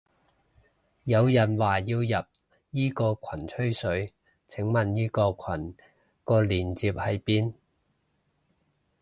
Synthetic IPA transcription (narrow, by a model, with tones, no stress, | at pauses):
jɐ˨˧wjɐ˨˩nwaː˨˩jiː˧wjɐ˨p̚ | jiː˥kɔː˧kʷʰwɐ˨˩nt͡ʃʰɵ˥ɥsɵ˨˥ɥ | t͡sʰɪ˨˥ŋmɐ˨njiː˥kɔː˧kʷʰwɐ˨˩n | kɔː˧liː˨˩nt͡siː˧p̚hɐ˨jpiː˥n